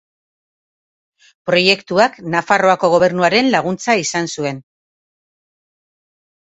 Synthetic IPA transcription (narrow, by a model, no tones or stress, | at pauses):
pɾo̞je̞kt̪uaknafaro̞ako̞ɣ̞o̞β̞e̞ɾnuaɾe̞nlaɣ̞unt͡saisansue̞n